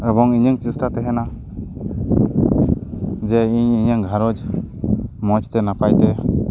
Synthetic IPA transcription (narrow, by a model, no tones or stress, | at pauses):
ɛbɔŋiɲəŋt͡ʃisʈat̪ɛɦɛna | d͡ʒɛiɲiɲəŋɡʱaɾɔd͡ʒ | mɔd͡ʒt̪ɛnapajt̪ɛ